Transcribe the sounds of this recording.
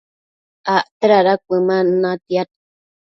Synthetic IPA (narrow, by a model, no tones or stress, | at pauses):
aʔt̪əɾaɾakʷəmanãt̪iat̪